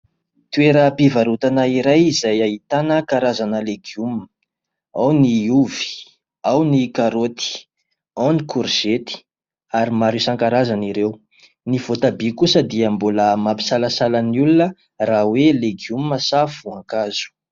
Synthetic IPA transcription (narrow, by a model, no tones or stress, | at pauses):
t̪ueɾəpivaɾut̪anaiɾajizajaɦit̪anəkaɾazanəleɡium | awniuvi̥ | awnikaɾot̪i̥ | ɔnikuɾz̥et̪i̥ | aɾimaɾisaŋkaɾazaniɾew | niv̥ot̪abikusəd̪iəmboləmapi̥salasalaniulunə | raweleɡiumməsafuaŋkaz̥u̥